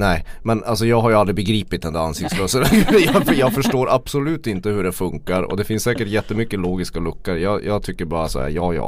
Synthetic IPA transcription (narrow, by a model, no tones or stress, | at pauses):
nɛɪmɛnals̬ɔjɑːɡɦaɾjɵald̪ɾɪbɛɡɾiːpɪt̪̚ɛnd̪æɾansɪkt̪sløːsəlɡjɑfəjɑːɡfœʂʈoːɾʔabsɔlʉ̟ːt̪ɪnt̪əhɵɖɛfɵŋkaɾɔ̰d̪ɛfɪnsːɛːkəʈjɛt̪ːəmʏkːəloːɡɪskalɵkːəɾjɑːjʔɑːɡt̪ʰʏkːəɾbɑːɾasɔ̰æ̰ːɾjɑ̰ːjɑ̰ː